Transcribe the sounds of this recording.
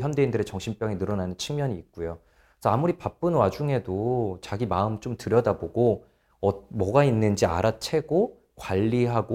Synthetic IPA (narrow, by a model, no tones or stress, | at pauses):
jamdeindɯɾe̞t͡ɕʌŋɕʰimp͈jʌŋinɯɾʌnanɯnt͡ɕʰiŋmjʌɲiːk̚k͈ujo | sʰʌamuɾipap͈ɯnwad͡ʑuŋe̞dot͡ɕaɡimaɯmt͡ɕ͈omtɯɾjʌdaboɡo | ʌmʌɡainːɯnd͡ʑia̰ɾat͡ɕʰe̞ɡo | kwaʎːiɦaɡo